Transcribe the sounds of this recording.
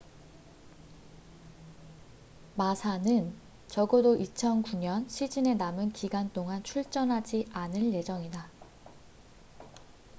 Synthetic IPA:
masʰanɯn | t͡ɕʌɡodoʔit͡ɕʰʌnkuɲʌnɕʰid͡ʑine̞namɯnkiɡant͈oŋant͡ɕʰuɭt͡ɕ͈ʌnɦad͡ʑiʔanɯɭje̞d͡ʑʌŋida

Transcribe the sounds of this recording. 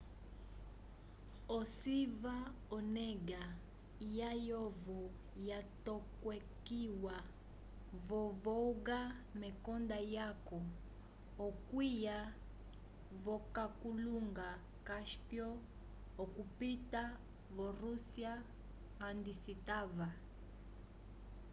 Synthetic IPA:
ɔsiva | ɔnɛɡa | jajɔvɔ | jatɔkwɛkiwa | vɔvɔuɡamɛkɔndajakɔː | kwija | vɔkakuluŋɡa | kaʃpjɔ | ɔkupita | vɔɾusiaː | ndisitava

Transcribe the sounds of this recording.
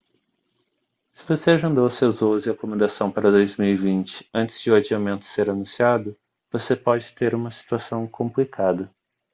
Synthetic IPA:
sɪvoseaʒẽnd̪owsewzozɪakomẽnd̪asɐ̃w̃paɾɐd̪ojzmiwivĩnt͡ʃɪ̥ɐ̃nt͡ʃɪz̥d͡ʒɪʊad͡ʒiamẽnt̪ʊ̥seɾanũsiad̪ʊ | vosepɔd͡ʒɪt̪eɾũmɐsi̥t̪uasɐ̃w̃kʰõmplikʰad̪ɐ

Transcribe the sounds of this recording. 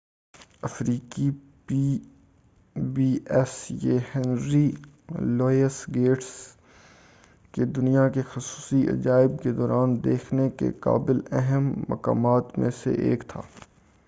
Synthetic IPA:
ɐfɾiːki | pi | biːɛsjeːhɛ̃ːnɾi | lɔːjəsɡeːʈs | ked̪ʊnijakexʊsuːsiʔɐ̰d͡ʒaːɪb̚ked̪ɔːɾaːnd̪eːkʰnekḛka̰ːbɪlɛɦɛmːɐ̰ka̰ːmaːt̪mḛ̃sḛʔḛːkt̪ʰa̰ː

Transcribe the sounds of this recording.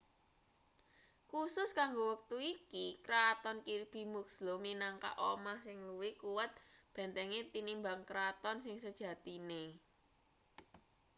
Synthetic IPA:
kusʊskaŋɡowək̚t̪uikikɾat̪ɔnkirb̥i̤mukslominaŋka̰ʔomahsɪŋluwikuwət̪̚b̥ɛ̤nt̪ɛŋet̪inimbaŋkɾat̪ɔnsɪŋsəd̥ʒ̥ä̤t̪ine

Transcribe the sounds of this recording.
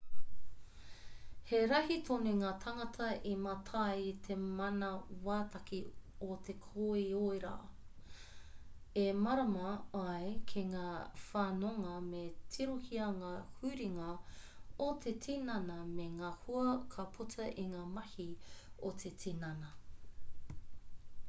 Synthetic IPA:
heɾɐhit̪ʰoneŋaːt̪ʰɐŋɐtʰɐʔimɐtʰɐjt̪ʰemɐnɐwaːtɐkʰiot̪ʰekʰoioeɾa̰ː | emɐɾɐmɐɐjkʰiŋaːfaːnoŋɐmetʰiɾohiɐŋaːhʉːɾiŋɐ | ot̪ʰetʰinɐnɐmeŋaːhuɐkʰɐpʰutʰɐʔiŋaːmɐhiot̪ʰetʰinɐnɐ

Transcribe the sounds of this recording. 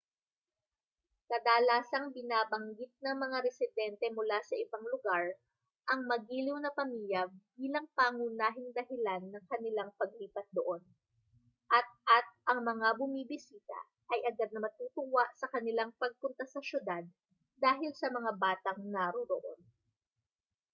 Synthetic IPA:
k̪ɐd̪aːlaːsɐŋbɪnaːbɐŋɡɪt̪̚nɐŋmɐŋaɾɛsɪd̪ɛnt̪ɛmʊlasɐʔɪbaŋlʊɡaɹ | ʔɐŋmɐɡiːlɪwnɐpɐmiːljɐbiːlɐŋpaːŋunaːɦɪŋd̪ɐɦɪlanːɐŋkɐnɪlaŋpɐɡ̚liːpɐt̪̚d̪oʔo̞n | ʔɐt̪̚ʔɐt̪̚ʔɐŋmɐŋabʊmiːbɪsiːt̪ɐ̰ | ʔɐjʔɐɡad̪̚nɐmɐt̪uːt̪ʊwaʔsɐkɐnɪlaŋpɐɡ̚pʊnt̪ɐsɐʃjʊd̪ad̪̚ː | aːɦɪlsɐmɐŋabaːt̪ɐŋnɐɾoɾo̰ʔo̰n

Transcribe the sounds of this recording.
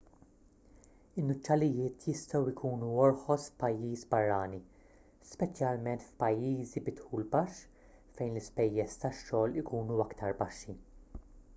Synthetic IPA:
ɪnːʊt͡ʃːɐlɪjɪːt̪jɪst̪ɔwɪkʰuːnuɔɾħɔsfpɐjːiːsbɐrːɐːni | spɛt͡ʃjɐlmɛnt̪fpɐjːiːzibɪt̪ħuːlbɐʃː | fɛjnlɪspɛjːɛst̪ɐʃːɔːlɪkuːnuɐkt̪ʰɐɾbɐʃːi

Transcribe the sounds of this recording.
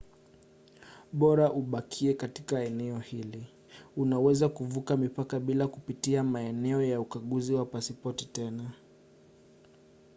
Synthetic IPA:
ɓɔɾaʔuɓakʰiɛkatikaɛnɛɔhili | unawɛzakuvukamipakaɓilakupitiamaɛnɛɔjaukaɠuziwapasipɔtitɛna

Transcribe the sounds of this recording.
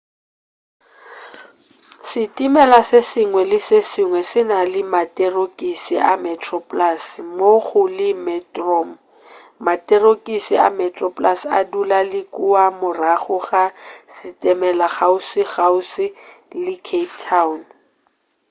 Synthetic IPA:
sɪtʼimɛlasɪsɪŋwɛlɪsɪsɪŋwɛsɪnalɪmatʼɛrokʼisiʔamɛtʰʼrɔpʼlasmoχʊlɪmɛtʼrɔm̩ | matʼɛrokʼisia̰mɛtʼrɔpʼlasa̰dulalɪkʼuamʊraχʊχasɪtʼɛmɛlaχaʊsɪɣaʊsɪlɪkʰeptʰaʊn

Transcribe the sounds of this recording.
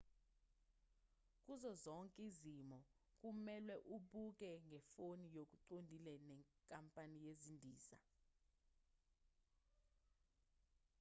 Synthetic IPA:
k̬ʼuzɔzɔŋkʼizimɔ | k̬ʼumɛlwɛʔuɓuk̬ʼɛŋʱɛfonijok̬ʼuǀondʱilɛnɛŋkʼampʼanijezindʱiːsa

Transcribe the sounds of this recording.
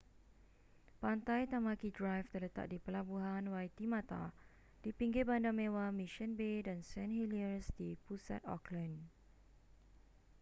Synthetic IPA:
pant̪ajt̪amakidɹajft̪ərlət̪a̰k̚dipəlabuɦanwajt̪imãt̪a̰ | d̥ipiŋɡɪbandamẽwamĩʃə̃nbedansɛ̃nhiliəɹsdipusa̰t̪ɔ̰klə̃n

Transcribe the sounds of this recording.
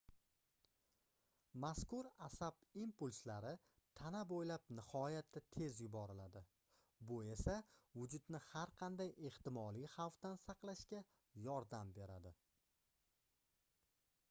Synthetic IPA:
maskʊɾasabimpʊlʲslaɾɪ | t̪ʰanabojlap̚nɪhɒjat̪ʰːat̪ʰe̞zjʊbɒɾɪlad̪ɪ | bʊe̞savʊd͡ʒʊd̪nɪhaɾqʰɑnd̪aje̞ht̪ɪmɒlˠijχɑwft̪ansɑqlˠaʃkʲa | jɒɾd̪ambe̞ɾad̪ɪ

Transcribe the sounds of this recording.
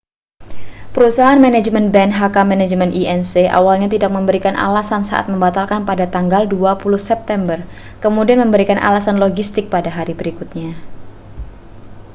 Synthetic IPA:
pəɾusaɦaanmanad͡ʒmɛnbɛnɦakamɛnad͡ʒmɛniɛnseʔa̰walɲat̪idak̚məmbəɾikanʔa̰lasansa̰ʔa̰t̪̚məmbat̪alkanpadat̪aŋɡalduapuluhsɛp̚t̪ɛmbər | kəmudianməmbəɾikanʔa̰lasanloɡist̪ɪk̚padaɦaɾibəɾikut̪̚ɲa

